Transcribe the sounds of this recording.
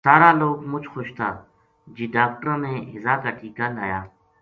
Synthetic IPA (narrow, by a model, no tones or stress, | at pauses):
saːɾaloːɡmʊt͡ʃʰxoʃt̪ʰaː | d͡ʒiːɖaːk̚ʈəɾ̃mẽɪ̰zaːkaʈʰiːkalaːjaː